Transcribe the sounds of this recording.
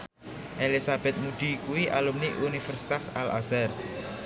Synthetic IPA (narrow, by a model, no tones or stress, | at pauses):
ʔelisab̥ɛ̤t̪̚muɖ̪̥i̤kuwiʔalumniʔunifɛrsi̥t̪asala̰zar